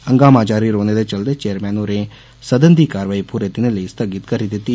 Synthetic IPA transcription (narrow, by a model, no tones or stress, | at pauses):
əŋɡaːmaːd͡ʒaːɾiːɾoːneːd̪eːt͡ʃəld̪eːt͡ʃeːəɾmɛːnoːɾeː | səd̪ənd̪iːkaːɾʋaːipʊɾet̪ɪneləist̪ʰəɡɪt̪kəɾid̪ɪt̪ːiː